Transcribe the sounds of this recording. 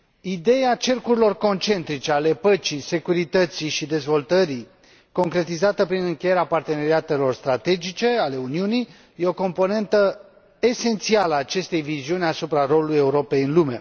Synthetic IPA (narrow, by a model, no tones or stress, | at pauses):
id̪e̞jat͡ʃe̞rkuɾilo̞rko̞nt͡ʃe̞nt̪ɾit͡ʃe̞ale̞pət͡ʃise̞kuɾit̪ət̪siʃid̪e̞zvo̞lt̪əɾi | ko̞ŋkɾe̞t̪izat̪əpɾinɨŋkʲejeɾeapart̪e̞ne̞ɾiat̪e̞lo̞rst̪ɾat̪e̞d͡ʒit͡ʃe̞ale̞uniunij | je̞o̞ko̞mpo̞ne̞nt̪ə | e̞se̞nt̪sialəaːt͡ʃe̞st̪e̞jviziunʲasupɾaro̞luluje̞uɾo̞pe̞jɨnlume̞̰